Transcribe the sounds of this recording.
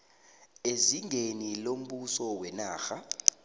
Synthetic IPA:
eziŋʱenilom̩ɓusɔwɛnaːxa

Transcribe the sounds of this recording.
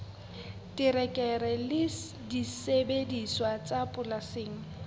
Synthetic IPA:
tʼirɛkʼɛrɛlɪ | disebediswat͡sʼapʼʊlasɪːŋ̩

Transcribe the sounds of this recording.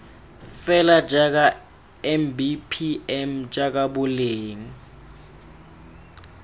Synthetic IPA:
fɛlad͡ʒʼak̬a | ɛmbipʰiɛmd͡ʒʼak̬ʼaɓʊleːŋi

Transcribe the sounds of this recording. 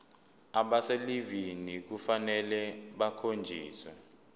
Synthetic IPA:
aɓaselivinik̬ufanɛlɛɓakʰond͡ʒʱiːswɛ̰

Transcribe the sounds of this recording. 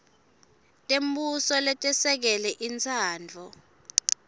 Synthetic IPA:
tʼembusɔlɛtʼɛsɛk̬ɛlɛʔint͡sʰaːnd͡vʱɔ

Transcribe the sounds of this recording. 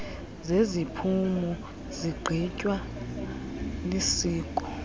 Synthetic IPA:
zezipʰumɔ | ziɡ͡ǃʱicʼwa | lisiːkʼɔ

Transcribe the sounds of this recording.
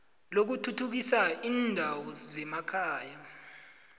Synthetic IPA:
lok̬utʰutʰuk̬isaiːndʱawɔzɛmakʰaːja

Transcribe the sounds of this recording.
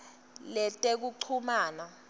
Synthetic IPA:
lɛtʼek̬uǃʰumaːna

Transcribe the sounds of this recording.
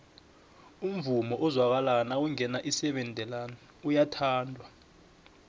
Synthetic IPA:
um̩vumɔʔɔzwak̬alanawuŋɛnaʔisɛɓɛndʱɛlanɛ | ujatʰaːndʱwa

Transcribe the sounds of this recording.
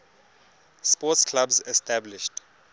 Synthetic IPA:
spɔtskʰlabzɛstablɪʃt

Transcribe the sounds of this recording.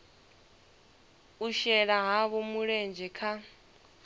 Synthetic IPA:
uʃɛɺaɦaβumuɺend͡ʒʱɛkʰa

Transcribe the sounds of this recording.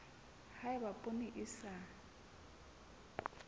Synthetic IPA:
haɪbapʼonɪʔɪsa

